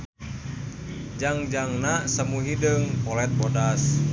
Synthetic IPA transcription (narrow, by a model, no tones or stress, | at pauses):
d͡ʒaŋd͡ʒaŋnasəmuɦidəŋpɔlɛt̪̚bodas